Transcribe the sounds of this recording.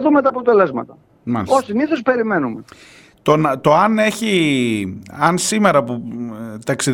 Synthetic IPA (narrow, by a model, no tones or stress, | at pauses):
ðumet̪ɐːpo̞t̪e̞le̞zmɐ̰t̪ɐ | mɐosiniθo̞spe̞ɾimenume | t̪ont̪o̞ɐne̞çi | ɐnsimeɾɐput̪ɐksið